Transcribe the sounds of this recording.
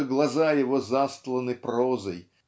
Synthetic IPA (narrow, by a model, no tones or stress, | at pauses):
ɨɡlˠɐzajɪvozast̪lˠənɨprozəj